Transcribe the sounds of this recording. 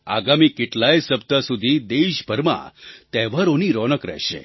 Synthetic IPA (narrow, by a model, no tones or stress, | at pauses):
a̰ɡamikeʈlajsəp̚t̪asud̪ʱid̪eʃbʱəɾmã̰t̪ɛʋaɾoniɾɔnəkɾɛ̰ɦʃḛ